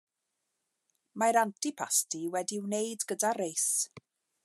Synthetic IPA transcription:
majɾantʰipʰastʰiwɛdiwnejdɡədaɾejs

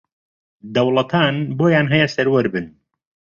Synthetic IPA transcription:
d̪ɐwlˠɐt̪ʰaːnboːjaːnɦɛjɛsɐɾwɐɾbɨn

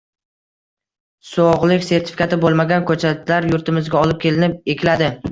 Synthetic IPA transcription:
soʁlˠɪkʲse̞ɾt̪ʰɪ̥fi̥kʰat̪ɪbolˠmaɡʲankʰɵt͡ʃʰalaɾjʊɾt̪ɪmɪzɡʲaɒlɪp̚kʲʰe̞lɪnɪp̚ekʲɪlad̪ɪ

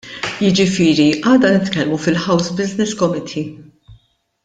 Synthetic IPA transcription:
jɪd͡ʒɪfɪːɾiʔɐːd̪ɐnɪt̪kɛlmufɪlħɐwsbɪznɪskɔmɪt̪ʰi

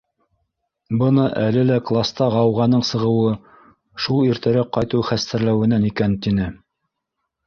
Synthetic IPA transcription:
bɤ̆nɤʔælɘlæklˠast̪ɑʁɑwʁɑnɤɴsɤ̆ʁɤ̆wɤ | ʃulˠiɾt̪æɾæqɑjt̪ɤwχæst̪æɾlæwɘ̆nænikænt̪inɘ

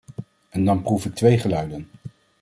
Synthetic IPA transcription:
ɛndɑnprufɪk̚tʋejχəlœɥdən

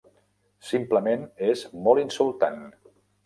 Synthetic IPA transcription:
simpləmenezmɔlˠinsulˠt̪a̰n

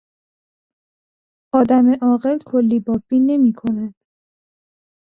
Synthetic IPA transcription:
ʔɒːd̪æmeʔɒːɢe̞lkʰolːiːbɒːbiːne̞miːkʰo̞næd̪̥

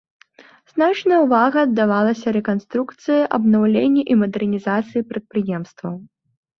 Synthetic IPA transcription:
z̥nat͡ʂnɐjɐwvaɣɐːd̪ːavalˠɐsʲɐɾɛkanst̪ɾukt̪sɨjɐʔɐbnawlʲenʲːɛʔimɐd̪ɛrnʲizat̪sɨjipɾɐt̪̚pɾɨjɛmst̪vɐw

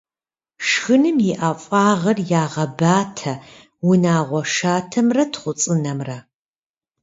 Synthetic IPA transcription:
ʂxɨnɨmjɪʔaːfʼaːʁɐrjaːʁɐbaːtʰɐ | wʊnaːʁʷɔʂaːtʰɐmrɐtʰχʷʊt͡sʼɨnɐmrɐ

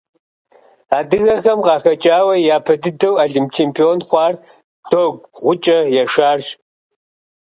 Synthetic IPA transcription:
aːdɨɣɐxɐmqɑːxɐt͡ʃʼaːwɐjaːpʰɐdɨdɐwaːɮimpʰt͡ʃʰeːmpʰioːnχʷɑːr | tʰoːɡʷʁʷʊt͡ʃʼɐjɛʂaːrʒ

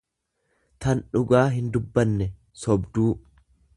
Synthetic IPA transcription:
t̪ɐnᶑʊɡaːɦɪnd̪ʊbːɐnːɛ | sɔbd̪uː

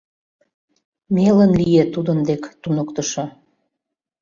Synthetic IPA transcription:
melənlijet̪ud̪ənd̪ekt̪unokt̪əʃo

